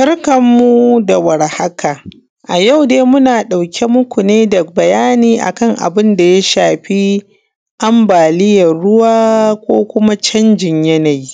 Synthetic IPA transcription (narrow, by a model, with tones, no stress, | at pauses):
sɐ˦rkɐ˨mːu˦da˨wɐ˨ɾha˦kaː˨ | ʔa˨ja˦˨wdeː˦mʊ˦naː˨ɗa˨wkʲʰe˦mʊ˦kʷu˨neː˦da˨bɐ˨jaː˦niː˨ʔa̰˨kɐ˦˨ŋʔa̰˨bɪ˦nda˨ja˦ʃaː˨ɸi˦ | ʔa˦mbaː˨lɪ˦jɐ˨rɽʊ˦waː˦kʷoː˦kʷʊ˦ma˦t͡ʃɐ˦nd͡ʒɪ˨ɲjɐ˦na˨ji˦